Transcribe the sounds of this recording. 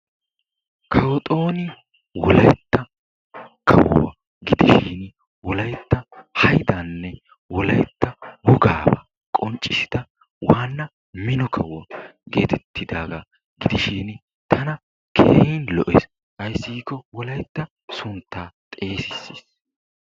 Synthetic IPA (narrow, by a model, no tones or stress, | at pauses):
kʰɐwɔt̪ʼo̞ːnɪ | wɔlɐjt̪ːɐ | kʰɐ̰wɔ̰wɐ̰ | ɡɪd̪ɪʃiːn | wɔlɐjt̪ːɐhɐjd̪ɐnːɛ | wɔlɐjt̪ːɐhʊɡaːbɐ | kʼɔnt͡ʃʼːɪsɪ̥d̪̥ɐ | waːnːɐ | mɪnɔkʰɐwɡe̞ːt̪ʰɛt̪ʰːɪd̪aːɡa | ɡɪd̪ɪʃiːn | t̪ʰɐnɐ | kʰḛːhiːnlɔʔɛs | ɐjsːɪɡkːɔwɔlɐjt̪ːɐ | sʊnt̪ːaːt̪ʼe̞ːsɪsːiːs